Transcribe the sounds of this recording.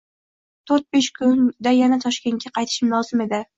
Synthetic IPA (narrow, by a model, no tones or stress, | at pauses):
t̪ʰoɾt̪̚beʃkʰʊnd̪ajanat̪ʰɒʃkʲe̞nŋɡʲaqʰɑjt̪ʰɪ̥ʃɪmlˠɒzɪme̞d̪ɪ